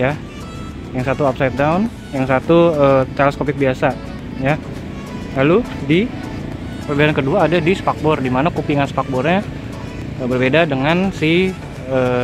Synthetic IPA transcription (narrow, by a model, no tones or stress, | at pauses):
ja | jaŋsat̪uapsajt̪̚daun | jaŋsat̪uəːt̪alaskopɪk̚biasa | ja | lalu | di | pərbiaɾankəduaːdadispak̚bɔrdimanakupiŋansə̥pak̚bɔrɲa | əbərbedadəŋansi | əː